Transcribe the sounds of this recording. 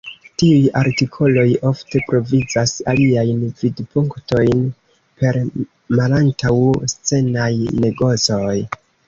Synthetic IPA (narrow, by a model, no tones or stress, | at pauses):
tiujaɾtikʰo̞lo̞jo̞fte̞pɾo̞vid͡zasaliajnvidpuŋkto̞jn | pe̞ɾ | malantawst͡se̞najne̞ɡo̞t͡so̞j